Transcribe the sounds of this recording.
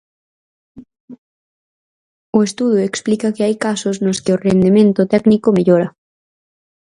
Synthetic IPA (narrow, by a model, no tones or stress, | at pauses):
ʊest̪uðʊeksplikɐkɪajkasʊsnʊskɪʊrend̪emẽnt̪ʊt̪ɛknikomeʎoɾɐ